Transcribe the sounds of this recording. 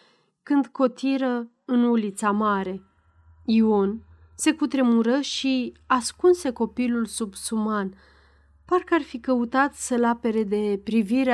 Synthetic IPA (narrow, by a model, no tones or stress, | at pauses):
kɨnd̪ko̞t̪iɾə | ɨnulit̪samaɾe̞ | io̞n | se̞kut̪ɾe̞muɾəʃiaskunse̞ko̞pilulsubsuman | parkəarfikəut̪at̪səlape̞ɾe̞d̪e̞pɾiviɾe